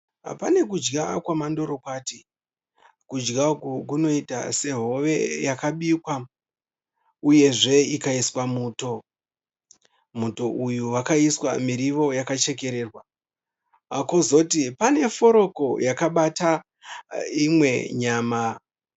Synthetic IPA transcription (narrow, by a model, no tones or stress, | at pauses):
pane̞kud͡ʒɡakwamando̞ɾo̞kwati | kud͡ʒɡakukuno̞ita̰se̞ɦo̞ʋe̞jakaɓikwa | uje̞ʐe̞ikaiswamuːto̞ | muto̞ʔujuwakaiswa̰miɾiʋo̞jakat͡ʃe̞ke̞ɾe̞ːrwa | kozo̞tipane̞fo̞ɾo̞ko̞jakaɓata | imwe̞ɲaːma